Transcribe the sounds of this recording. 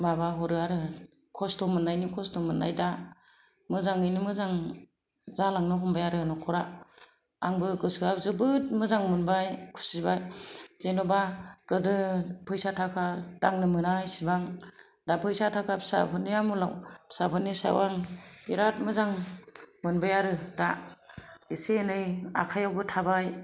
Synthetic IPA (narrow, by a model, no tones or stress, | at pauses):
mabaɦɔɾɯaɾɯ | kʰɔstɔmɯnajnikʰɔstɔmɯna̰jda | mɯzaŋɯjnimɯzaŋ | zalaŋnɯɦɔmbajaɾɯnɔkʰɔɾa | aŋbɯɡɯsɯazɯbɯt̚mɯzaŋmɯnbajkʰu̥sibajz̥enɔbakɯdɯpʰɯjsatʰakʰadaŋnɯmɯnajsibaŋ | dapʰɯjsatʰakʰapʰsa̰pʰɯnijamula̰wpsapʰɯnisa̰waŋiɾat̚mɯzaŋmɯnbajaɾɯda | isenɯja̰kʰajawbɯtʰabaj